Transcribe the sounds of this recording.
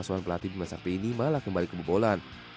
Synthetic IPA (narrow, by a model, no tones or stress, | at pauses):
asuanpəlat̪idimasa̰peinimalahkəmbalikəbəbolan